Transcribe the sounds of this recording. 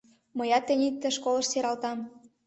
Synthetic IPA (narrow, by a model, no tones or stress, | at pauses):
mɤjɑt̪ːĕnʲit̪ːə̆ʃkolə̆ʃseɾɑlt̪ɑm